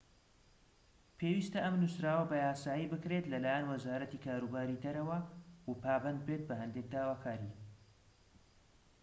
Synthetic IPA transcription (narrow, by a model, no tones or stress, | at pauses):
pʰeːwiːst̪ɐʔɐmnusɾaːwɐbɐjaːsaːjibɨkɾet̪lɐlaːjɛnwɐzaːɾɐt̪ikʰaːɾubaːɾid̪ɐɾɐwɐwupʰaːbɐnd̪̚bɾeːt̪̚bɐɦɛnd̪ek̚d̪aːwaːkʰaːɾi